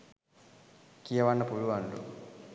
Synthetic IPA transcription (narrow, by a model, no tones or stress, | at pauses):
kijɐʋaɳːɐpuluʋaɳɖṵ